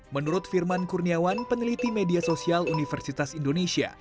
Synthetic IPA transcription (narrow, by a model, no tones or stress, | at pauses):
mənuɾʊt̪firmankurniawanpənəlit̪imediasosialunifərsit̪asindonesia̰